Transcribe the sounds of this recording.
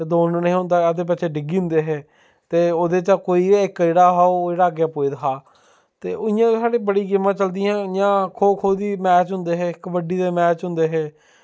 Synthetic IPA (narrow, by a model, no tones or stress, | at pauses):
ed̪oːnnĩːɦʊ̃nd̪aːəd̪eːp̬ɛt͡ʃʰeːɖɪɡiːʊ̃nd̪eːɦɛː | t̪eːoːd̪eːt͡ʃakoːiːɪkːeːɽaːɦaːoːeːɽaːɡeapoːid̪əkʰaː | t̪eːʔʊɪjãːsaːɽeːbəɽiːɡɪmãːt͡ʃəld̪iːãːjãːkʰoːkʰoːd̪iːmɛːt͡ʃɦʊ̃nd̪eːɦeːɪkʋəɖiːd̪eːmɛːt͡ʃɦʊ̃nd̪eːɦeː